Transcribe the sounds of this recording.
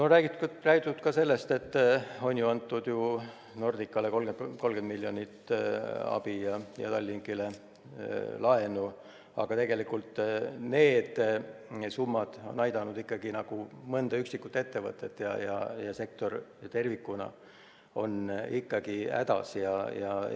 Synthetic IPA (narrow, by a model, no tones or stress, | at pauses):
noræːɡ̥iræːɡ̥it̪ːˑut̪kɑse̞lːe̞st̪e̞t̪ːo̞nʲjuɑnt̪ːˑud̪̥ju | no̞rd̪̥ikːˑɑlekolɡeko̞lɡ̥e̞nd̪milːjo̞nʲit̪ː | ɑ̰b̥ijɑjɑ̰t̪ɑlʲːiŋkile̞ | lɑe̞nu | ɑ̰ɡ̥ɑt̪e̞ɡ̥e̞likːult̪ne̞ːd̪̥ | sumːɑd̪̥o̞̰nɑjd̪̥ɑnud̪̥ikːɑɡ̥inɑɡ̥umɤnd̪ɑyksikːˑut̪ee̞t̪ːe̞vɤ̰t̪ːˑe̞t̪ːˑjɑ̰jɑ̰jɑsek̚t̪o̞rt̪e̞rvikːˑunɑ̰ | o̞̰nikːɑɡ̥iæ̰d̪̥ɑ̰sjɑjɑ